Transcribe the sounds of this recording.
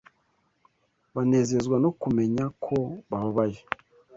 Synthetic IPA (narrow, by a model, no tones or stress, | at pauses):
βane̞ːze̞zɡwano̞kume̞ɲakʰo̞βaβaβaje